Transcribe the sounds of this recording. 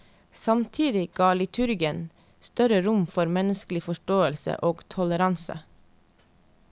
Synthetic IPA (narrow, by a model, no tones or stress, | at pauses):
sɑmt̪ʰiːd̪ɪɡ̥ɑːlɪt̪ʰʉɾɡɪən | st̪œɾəɾʊmfɔɾmɛnəsklɪfɔʃʈoːəlsə̰ʔoːɡt̪ʰɔləɾɑnsə̰